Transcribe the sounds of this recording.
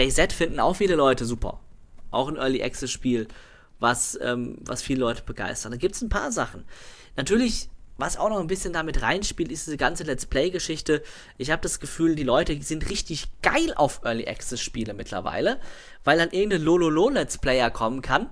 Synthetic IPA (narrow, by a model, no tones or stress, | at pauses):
ɛɪzɛtfɪndn̩a̰ʊxfiːləlɔʏtəzuːpʰɐ̰ʔa̰ʊxɪnʔœɐliʔɛ̰ksəsʃpiːl | vasʔɛ̰ːmva̰sfiːləlɔʏtʰəb̥əɡ̥a̰ɪstɐtdaɡiːp̚tsn̩pʰa̰ːɐzaχn̩ | natʰyːɐlɪçvasa̰ʊxnɔχn̩bɪsçəndamɪtʁa̰ɪnʃpiːltɪstd̥iːzəɡant͡səlɛt͡splɛɪɡəʃɪçtə | ʔɪçhaːbədasɡ̥əfyːldiːlɔʏtəzɪntʁɪçtɪçɡ̥a̰ɪlʔa̰ʊfʔœɐlḭʔɛ̰ksɛsʃpiːləmɪtʰlɐ̰va̰ɪlə | vaɪldanʔɪɐɡŋ̩tənlololoːlɛt͡spl̥ɛɪɐkʰɔmənkʰan